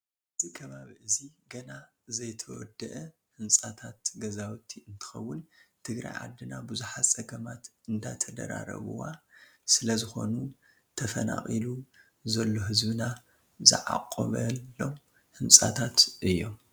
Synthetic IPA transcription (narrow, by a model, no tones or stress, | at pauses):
ʔʔʔɨt̪ʰikʰɐβaβiʔɨziɡɐna | zɐjt̪ʰɐwɔ̰d̪ɐʔɐ | hɨnsʼat̪ʰat̪ɡɐzawt̪ʰiɨnt̪ʰɨ̥xɐwːʊnt̪ʰɨɡɾa̰jʕa̰d̪ːɨnabuzuħasʼɐɡɐmat̪ | ɨnd̪a̰jt̪ʰɐd̪ɐ̰ɾa̰ɾɐ̰βɨ̰wasɨlɐzɨxo̞̰nu | t̪ʰɐfɐna̰xʼilu | zɐlːoɦɨzbɨna | zɨ̰ʕa̰qʼːoβɐo̞m | hɨnsʼa̰t̪ʰat̪ʔɨjːo̞̰m